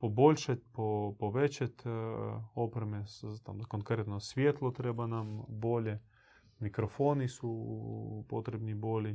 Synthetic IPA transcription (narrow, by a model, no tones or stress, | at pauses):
pobo̞ʎʲʃat̪̚ʲpopoʋet͡ɕat̪ʲ | opɾemet̪amkoŋkɾet̪nosʋjet̪lˠot̪ɾebanamboʎe | mikɾofo̞nisu | pot̪ɾebnibo̞ʎʲi